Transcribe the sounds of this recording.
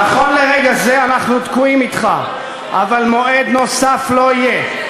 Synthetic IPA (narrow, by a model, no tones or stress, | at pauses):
naχo̞nleʁeɡaze̞anaχnut̪kuimit̪χa | ʔa̰valmo̞e̞d̪no̞saflo̞ije̞